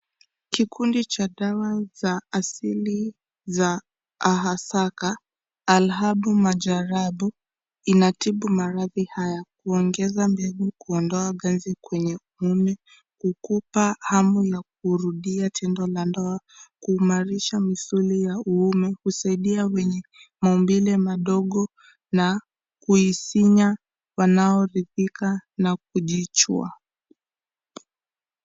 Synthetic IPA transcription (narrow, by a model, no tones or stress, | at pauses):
kikʰundit͡ʃaɗawazaːsili | zaː | ɦasakaː | lɦaɓumaʄaɾaɓu | inatiɓumaɾaðihajak̚uɔŋɡɛzambɛlikuɔndɔaɡanzikwɛɲɛuumɛ | kukupahamujak̚uɾuɗiatʰɛndɔlandɔa | kuːmaɾiʃamisulijauumɛkusaiɗiawɛɲɛmaumbilɛmaɗɔɠɔ | na | kuisiɲa | wanaɔɾiðikanak̚uʄit͡ʃṵa̰